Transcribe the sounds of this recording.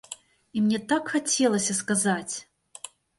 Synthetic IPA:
imnʲet̪akxɐtʲʰelˠɐsʲɐskazatʲ

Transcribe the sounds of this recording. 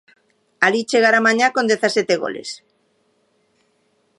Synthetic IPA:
alit͡ʃeɣ̞aɾamãɲakond̪eθasjet̪eɣo̰lḛs

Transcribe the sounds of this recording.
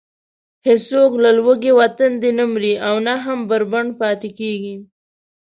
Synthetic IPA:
hɪsoklalwəɡewat̪and̪enəmɾiawnaɦambəɾbaɳɖpɑt̪ekeɡi

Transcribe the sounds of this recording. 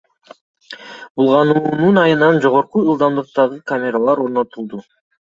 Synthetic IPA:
bulˠʁɑnuːnunɑjɯnɑnd͡ʒo̞ʁo̞ɾquɯlˠd̪ɑmd̪ɯq̚t̪ɑʁɯkamʲe̞ɾalˠɑɾo̞ɾno̞t̪ulˠd̪u

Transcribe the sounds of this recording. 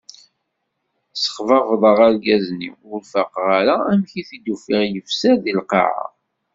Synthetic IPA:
sə̥χvɑvðˤəʁəɾɡæznḭwʊɾfəqʁaɾaæmçiθid̪ufɪʁjəfsæðilqɑ̰ʕa̰

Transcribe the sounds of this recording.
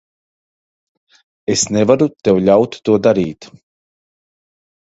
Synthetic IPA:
esnɛvaɾut̪ɛwʎʲawt̪ːuɔd̪aɾiːt̪

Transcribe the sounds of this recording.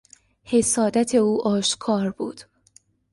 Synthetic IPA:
he̞sɒːd̪æt̪ʰe̞uːʔɒːʃkʰɒːɾbṵːd̪̥

